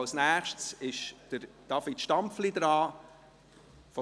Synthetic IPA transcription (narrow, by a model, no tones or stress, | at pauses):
snæːχʃtsɪʃd̥əɾd̥ɑfɪtʃtɑmpflid̪ɾɑː | fɔ